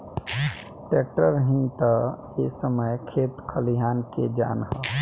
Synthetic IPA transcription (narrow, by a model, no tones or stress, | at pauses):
ʈeːk̚ʈəɾɦĩt̪ə | esəməjkʰeːt̪kʰəliɦaːnked͡ʒa̰ːnɦə